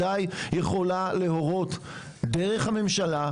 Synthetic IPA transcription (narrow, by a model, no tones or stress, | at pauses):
ajjeχo̞laleɦo̞ʁo̞t̪ | deʁe̞χhame̞mʃala